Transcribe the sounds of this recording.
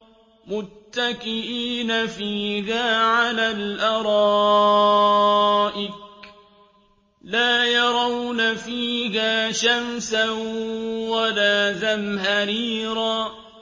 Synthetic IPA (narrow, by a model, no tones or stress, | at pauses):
mʊt̪ːakɪʔiːnafiːhaːʕalaːlʔɑɾˤɑː | ʔɪk | laːjɑɾˤɑwnafiːhaːʃamsa | walaːðamɦaɾiːɾaː